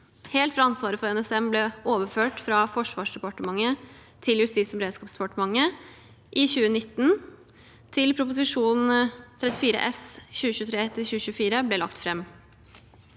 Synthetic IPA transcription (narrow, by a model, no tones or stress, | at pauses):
hɛːlt̪fɾɑɑnsʋɑːɾəfɔɾɛnɛsɛmblɛoːʋəɾføːʈfɾɑfɔʂʋɑːʂɖ̪ɛpɑʈəmɑŋːə | t̪ʰɪljʉst̪iːt̪sɔmɾeːd̪skɑːpsd̪ɛpɑʈəmɑŋːə | ʔɪçʉːənɪt̪ːn̩ | t̪ʰɪlpʰɾʊpʊsɪʂuːnn̩t̪ʰɾɛt̪ːɪfiːɾə̰ʔɛsɕʉːəɕʉːt̪ʰɾeːt̪ʰɪlçʉːəɕʉːəfiːɾəblɛlɑ̰kt̪fɾɛmː